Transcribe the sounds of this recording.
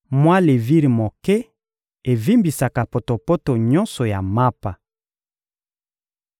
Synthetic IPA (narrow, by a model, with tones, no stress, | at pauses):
mwa˦le˨vi˦ʁi˨mo˨kɛ˦ | e˨vi˦mbi˨sa˨ka˨po˨to˨po˦to˨ɲɔ˦nsɔ˨ja˨ma˦pa˨